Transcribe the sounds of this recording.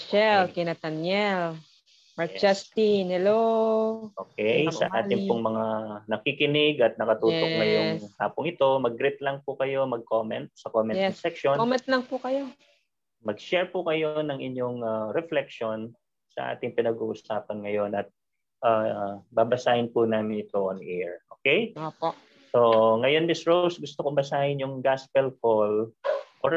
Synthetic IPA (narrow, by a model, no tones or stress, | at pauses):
ʃɛlkɪnɐt̪ɐnjɛl | mɐɹkd͡ʒast̪inhɛlo | ʔoːkɛjɐ̰ʔa̰ːt̪ɪŋpʊŋmɐŋanɐkikɪnɪɡɐt̪̚nɐkɐt̪uːt̪oŋɐjoŋhaːpʊŋɪt̪o̞mɐɡɾɪt̪̚lɐŋpʊkɐjo̞mɐɡ̚koːmɛnt̪̚sɐkoːmɛnɛɐsɛkʃonkomɛnt̪̚lɐŋpʊkɐjo | mɐɡ̚ʃɛɹpʊkɐjonɐŋʔɪɲjo̞ŋaɾɛflɛk̚ʃo̞n | sɐ̰ʔa̰ːt̪ɪŋpɪnɐɡuːʔʊsaːpɐnŋɐjo̞nɐt̪̚ | ʔaːbaːbɐsaːhɪnpʊnaːmɪnɪt̪o̞ʔonʔɛɹʔoːkɛjopo | so̞ŋɐjo̞nmɪsɹowsɡʊst̪okombɐsaːhɪnjʊŋɡaspɛlkolʔoɹ